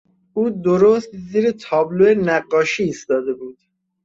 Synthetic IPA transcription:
ʔuːd̪oɾost̪ziːɾet̪ʰɒːbloenæɢːɒːʃiːst̪ɒːd̪e̞buːd̪̥

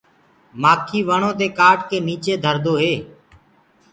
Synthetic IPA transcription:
maːkʰiːʋəɳõːt̪eːkaːʈkeːniːt͡ʃeːd̪ʱəɾd̪oːɦeː

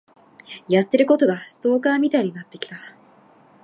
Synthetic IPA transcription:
jat̪ːe̞ɾɯ̟ko̞t̪o̞ɡasɨ̥t̪o̞ːkaːmʲit̪aiɲ̟inat̪ːe̞kʲi̥t̪a

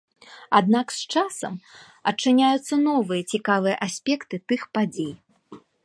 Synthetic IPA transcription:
a̰d̪̚nakst͡ʂasɐm | ɐt͡ʂːɨnʲajut̪sːɐnɔvɨjɐt͡sʲikavɨjɐʔasʲpʲɛkt̪ɨt̪ɨxpad͡zʲej

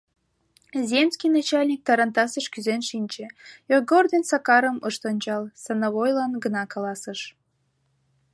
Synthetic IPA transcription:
zʲemskʲijnɑt͡ɕɑlʲnʲik̚t̪ɑɾɑnt̪ɑsəʃkyzenʃinʲt͡ɕejoɡord̪ensɑkɑɾəməʃt̪onʲt͡ɕɑlsɑnoβojlɑnɡənɑkɑlɑsəʃ

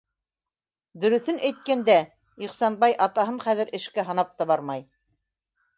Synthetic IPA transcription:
d̪ɵ̆ɾɵ̆θɘnʔæjt̪̚kænd̪æ | iχsɑnbɑjʔɑt̪ɑɦɤɴχæðɘ̆ɾʔɘ̆ʃkæɦɑ̆nɑp̚t̪ɑβɑɾmɑj

